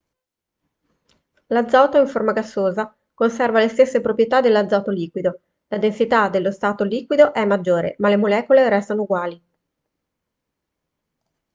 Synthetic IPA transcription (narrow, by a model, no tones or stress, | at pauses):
lad̪zːawt̪oiɱformaɡasːoːza | konsɛrvalest̪esːepɾopɾjet̪ad̪elːad̪zawt̪oliːkwid̪o | lad̪ensit̪ad̪elːost̪aːt̪oliːkwid̪oʔɛmːad͡ʒːoːɾḛmalemolɛːkoleɾɛst̪anouɡwaːli